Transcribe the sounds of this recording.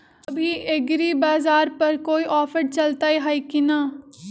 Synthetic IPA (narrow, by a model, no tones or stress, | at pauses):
ɐbʱiʔeɡɾibaːzaːɾpɐɾkoːiʔɔːfəʈt͡ʃɐlt̪aɦɛɦaːikina